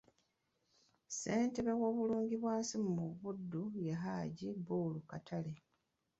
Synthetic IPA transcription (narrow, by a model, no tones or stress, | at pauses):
se̞ːnte̞βewo̞ːβuluːɲɟiβwaːsimmuβudːujaɦaːɟibuːlukatʰale